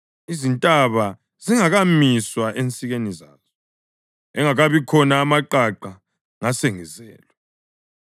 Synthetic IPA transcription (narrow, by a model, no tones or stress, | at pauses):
izintʼaβa | ziŋaɣamiswaʔent͡sʼiɣeniza̰ːzɔ | ɛŋaɣaβikʰɔnaːmaǃaǃa | ŋaseŋizɛ̰ːlɛ